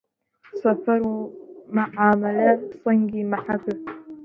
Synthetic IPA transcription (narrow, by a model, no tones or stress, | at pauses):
safɑɾumaʕaːmalasˤɑŋɡimaħabːa